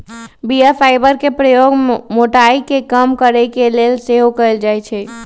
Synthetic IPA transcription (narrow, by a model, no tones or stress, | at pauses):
bijapʰaɪbəɾkepɾəjoɡmoʈaikekəmkəɾɛkelelseɦokəeld͡ʒajt͡ʃʰɛ